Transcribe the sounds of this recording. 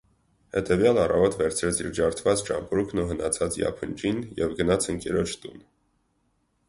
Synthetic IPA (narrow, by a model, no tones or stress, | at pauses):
hɛt̪ɛvjɑlɑrɑvɔt̪vɛɾt͡sʰɾɛt͡sʰḭɾd͡ʒɑɾt̪ʰvɑt͡st͡ʃɑmpɾukʰnuɦənɑt͡sʰɑt͡sjɑ̰pʰənt͡ʃinjɛvɡənɑt͡sʰəŋkɛɾɔt͡ʃʰt̪un